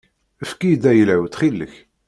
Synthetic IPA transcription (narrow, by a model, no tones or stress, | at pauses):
əfkid̪æjəlæwt̪χilːəç